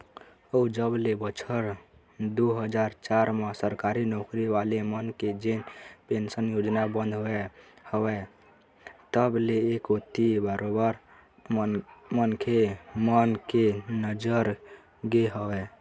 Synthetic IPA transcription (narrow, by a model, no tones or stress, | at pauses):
əud͡ʒəblebət͡ʃʰəɾ | d̪uɦəd͡ʒaɾt͡ʃaɾmesəɾkaɾinokɾiʋalemənked͡ʒenpensənjod͡ʒnabənd̪ʱɦoehəwɛ | t̪əbleːkot̪ibaɾʔobəɾ | mənkʰemənkenəd͡ʒəɾ | ɡeɦəwɛ